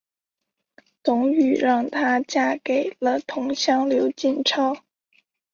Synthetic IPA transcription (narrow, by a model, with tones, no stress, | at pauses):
t̪ʊ˧˥ŋy˨˩ɻɑ˥˩ŋt̪ʰa˥t͡ɕja˥ke˨˩ɪlə˦t̪ʰʊ˧˥ŋɕjɑ˥ŋljo˧˥ʊt͡ɕi˥˩nʈ͡ʂʰɑ˥ʊ